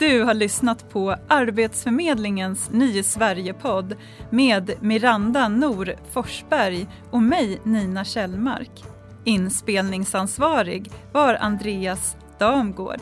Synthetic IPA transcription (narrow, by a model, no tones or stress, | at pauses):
d̪̥ɵ̟haɭʏsnat̪pʰɔʔaɾbeːt̪sfœɾmeːd̪lɪŋənsnyːsvæɾjəpʰɔd̪ː | meːd̪mɪɾand̪anuːɾfɔʂbæɾj | ɔmɛjniːnaɕɛlma̰ɾk | ɪnspeːlnɪŋsansvɑːɾɪ̰ɡvaɾa̰nd̪ɾeːas | d̪̥ɑːmɡo̰ːɖ